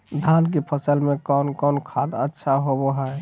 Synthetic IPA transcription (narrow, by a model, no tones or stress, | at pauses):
d̪ʱank̬epʰəsəlmẽkɔnkɔnkʰad̪ətːʃʰaɦoboɦɛ